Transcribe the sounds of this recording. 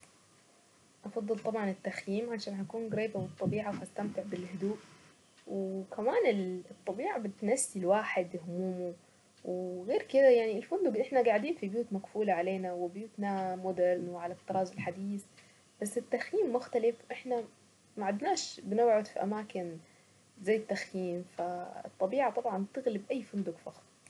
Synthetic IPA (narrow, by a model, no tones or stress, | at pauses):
ʔɑfɑðˤːɨlt̪ˤɑbʕɑnɪt̪ːaxjiːmʕaʃaːnɦakuːnɡɾeːbawɨt̪ˤːɑbiːʕawhast̪amt̪ɪʕbɪlhʊd̪uːʔ | wkʰamaːnɪlt̪ˤːɑbiːʕabɪt̪nasːilwaːħɪd̪hʊmuːmu | wɣeːɾkɪd̪ajaʕniɪlfʊnd̪ʊɡʔɪħnaɡaʕd̪iːnfibjuːt̪maɡfuːlaʕaleːnawɪbjuːt̪namʊd̪ɪɾˤnwɪʕalat̚t̪ːɑɾˤɑːzɪlħad̪iːs | b̥asːɪt̪ːaxjiːmːʊxt̪alɪfwʔɪħna | maʕad̪naːʃbɪnawʕʊd̪fḭʔamaːkɪn | zajːt̪ːaxjiːmfaɨ̰t̪ˤːɑbiːʕat̪ˤɑbʕɑnt̪ɪɣlɪbʔajːfʊnd̪ʊɡfɑxsˤ